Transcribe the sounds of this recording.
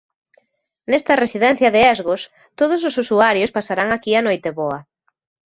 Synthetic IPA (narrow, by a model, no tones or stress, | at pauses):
nɛst̪ɐresiðɛn̟θjɐðeɛzɣʊs | t̪oð̞ʊs̬ʊsusuaɾjospasaɾaŋakiɐnojt̪eβɔɐ